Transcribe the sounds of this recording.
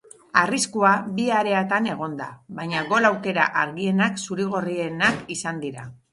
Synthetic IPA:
ariskuabiaɾe̞at̪ane̞ɣ̞o̞nd̪a̰βajɲaɡo̞lawke̞ɾaʔaɾɣie̞naksuɾiɣ̞o̞rie̞nakisand̪iɾa

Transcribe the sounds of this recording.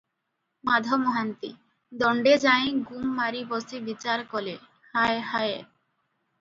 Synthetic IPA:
mad̪ʱɔmɔɦant̪i | d̪ɔɳɖed͡ʑaj̃ɡumːaɾibɔsibit͡ɕaɾkɔle | haehaje

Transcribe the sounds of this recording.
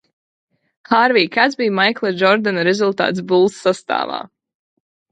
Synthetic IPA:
xaːɾviːkat̪zbijmajklˠɛd͡ʒɔɾd̪anɾɛzulˠt̪a̰ːt̪s̬bulˠsːast̪a̰ːva̰ː

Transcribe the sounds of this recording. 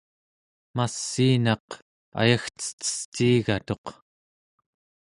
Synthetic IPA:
masːiːnɑq | a̰jaxt͡sə̥t̪ə̥st̪iːɣat̪o̞q

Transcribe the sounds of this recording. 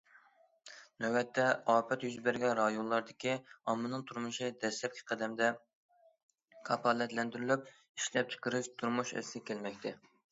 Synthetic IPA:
nɛwɛt̪ʰːɛɑːpʰɛt̪jyzbɪɾɡʲɛnɾɑjonlˠɑɾd̪ɪkʲiɑmːɨnɨŋt̪ʰuɾmɨʃid̪ɛslɛp̚ʲkʲʰi̥qʰɛd̪ɛmd̪ɛ | kʰɑpʰɑlˠɛt̪lɛnd̪yɾylyp̚ | iʃlɛp̚t͡ʃʰə̥qəɾɨʃt̪ʰuɾmuʃɛ̰skʲʰelmɛkʲt̪ʰɛ

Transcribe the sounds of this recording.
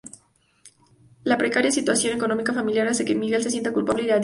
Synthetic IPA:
lapɾekaɾjasit̪wasjo̞ne̞kono̞mikafamiljaɾase̞kemiɣe̞lsesje̞nt̪akulpaβleðeað

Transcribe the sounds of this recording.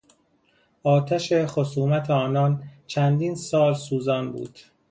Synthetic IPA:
ɒːt̪ʰæʃexosuːmæt̪ʰeɒːnɒːnt͡ʃʰænd̪iːnsɒːlsuːzɒːnbṵːd̪̥

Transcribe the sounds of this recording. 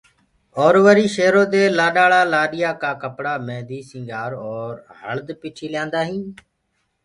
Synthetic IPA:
ɔːɾʋəɾiːʃeːɾõːd̪eːlaːɗaːɭaːlaːɗɪjaːkaːkəpɽaːmɛ̃ːd̪iːsɪ̃ːɡaːɾɔːɾhə̰ɭd̪piːʈʰiːlɪjãːnd̪aːɦĩː

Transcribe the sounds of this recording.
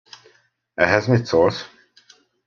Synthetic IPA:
ɛɦɛzmit̪sols

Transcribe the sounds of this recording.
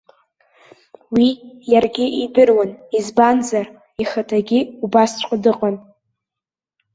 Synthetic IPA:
wijarɡʲɪʔidɨrwanizbanzar | iχatʰaɡʲɪubast͡ʃʷʼqʼadɨqʼan

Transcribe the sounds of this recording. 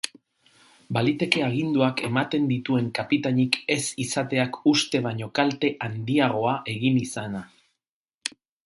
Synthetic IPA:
balit̪e̞ke̞aɣ̞ind̪uake̞mat̪e̞nd̪it̪ue̞ŋkapit̪aɲike̞sisat̪e̞akust̪e̞β̞aɲo̞kalt̪e̞ʔand̪iaɣ̞o̞aʔe̞ɣinisana

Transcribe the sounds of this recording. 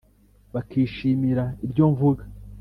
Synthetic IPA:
βakiːʃiːmiɾaibɟo̞ɱvuɡa

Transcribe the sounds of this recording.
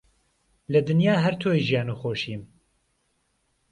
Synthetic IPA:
lɨd̪ɨnjaːɦɛɾt̪ʰoːiʒijaːnuxoːʃiːm

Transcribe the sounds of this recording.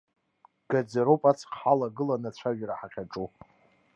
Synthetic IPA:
ɡ̥ad͡zaɾowpʼat͡sʰqʰħalaɡɨlanat͡ɕʷʰaʒᶣaɾaħaqʲaʈ͡ʂʼu

